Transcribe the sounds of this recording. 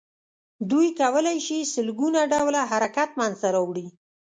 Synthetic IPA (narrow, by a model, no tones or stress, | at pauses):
d̪ujkawəlajʃisəlɡunaɖawlaɦaɾakat̪manzt̪aɾawɽi